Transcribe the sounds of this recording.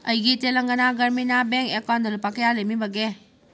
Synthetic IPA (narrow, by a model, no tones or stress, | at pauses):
ɐjɡitelɐŋɡɐnaɡɐɾminabeŋkekawndɐlupakejalemibɐɡe